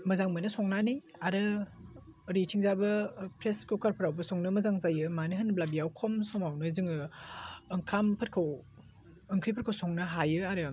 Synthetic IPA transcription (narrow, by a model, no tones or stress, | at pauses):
mɐzaŋmɯnɐsɔŋnanijaɾɯ | ɾitʰiŋzabɐpʰɾeskukʰaɾpʰaɾawbɐsɔŋnɯmɐzaŋzajɯmaniɦhɐnblabijawkʰɔmsɔmawnɯzɯŋɯ | ɯŋkʰampʰɐt̚kʰaw | ɯŋkʰɾipʰt̚kʰawsɔŋnɯɦajɯaɾɯ